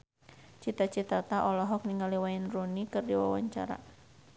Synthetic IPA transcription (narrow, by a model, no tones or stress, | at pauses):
t͡ʃit̪at͡ʃit̪at̪aʔɔlɔɦɔk̚niŋaliwaɪnrunikɨrdiwawa̰ɲt͡ʃa̰ɾa̰